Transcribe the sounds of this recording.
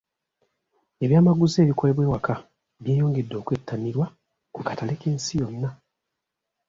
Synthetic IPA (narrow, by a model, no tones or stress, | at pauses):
e̞βjaːmaɡuze̞ːβikole̞βwe̞ːwakʰa | βjeːjoːŋɡe̞dːo̞ːkwetːaniɾwa | kukatalekeːnsijonːa